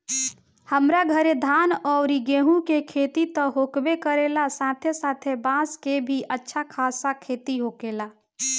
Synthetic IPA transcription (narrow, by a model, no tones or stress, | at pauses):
həmɾaɡʱəɾed̪ʱaːnɔːɾiɡeːɦũkekʰeːt̪it̪əɦokbekəɾelasaːt̪ʰesaːt̪ʰebãskebʱiʔətːʃʰakʰaːsakʰeːt̪iɦoːkeːla